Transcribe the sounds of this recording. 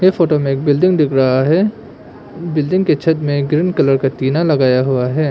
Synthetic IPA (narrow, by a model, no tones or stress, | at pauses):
jefoːʈomẽeːk̚bɪlɖɪ̃ŋɡd̪ɪkʰɾɐɦaɦɛː | bɪlɖɪ̃ŋɡket͡ʃʰɐt̪mẽɡɾɪnkɐləɾkat̪iːnalɐɡaːjaɦuaɦɛː